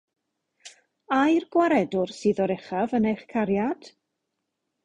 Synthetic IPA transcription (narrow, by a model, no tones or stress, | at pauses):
ajrɡwaɾɛdʊrsɨːðɔɾɛχavənejχkʰaɾjad̥